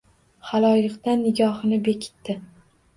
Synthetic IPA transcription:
χalˠɒjɨqt̪anːɪɡʲɒhɨnɪbe̞kʲʰɪ̥t̪ːɪ

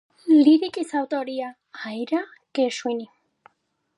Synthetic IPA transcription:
liɾikʼisawt̪oɾia | ajɾa | keʃwini

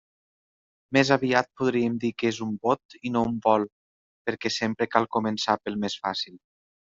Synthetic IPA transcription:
mezaβiat̪̚puðɾiəmd̪ikezumbot̪inoumbɔlˠ | pəɾkɛsempɾəkalˠkumənsapəlˠmesfasil

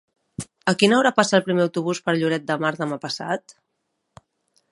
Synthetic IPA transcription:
əkinəwɾapasaəlˠpɾimeəwt̪uβ̞uspəɾʎuɾɛt̪̚d̪əmaɾðəmapəsa̰t̪

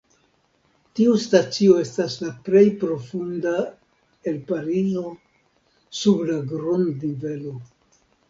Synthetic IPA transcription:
tiustat͡sio̞e̞staslaple̞jpɾo̞funda | e̞lpaɾizo̞ | sublaɡɾondnive̞lo̞

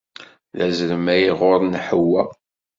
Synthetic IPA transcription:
ðæzəɾəmæjiʁoɾˤnħəwːæ

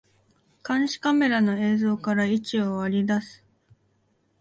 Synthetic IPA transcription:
kãɰ̃ɕi̥kame̞ɾano̞e̞ːzo̞ːkaɾait͡ɕio̞βaɾʲid̪asɨ̥

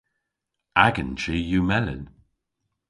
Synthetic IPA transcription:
aɡənt͡ʃijumɛlə̰n

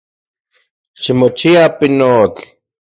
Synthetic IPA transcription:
ʃimot͡ʃiapinot͡ɬ

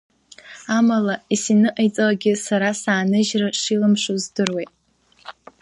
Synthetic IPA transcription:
amalaisinɨʔajt͡sʼalaɡʲɪsaɾasaːnɨʒraʂilamʂozdɨrwejtʼ

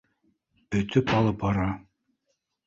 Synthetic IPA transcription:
ɵ̆t̪ʰɵpɑlˠɤp̚bɑɾɑ

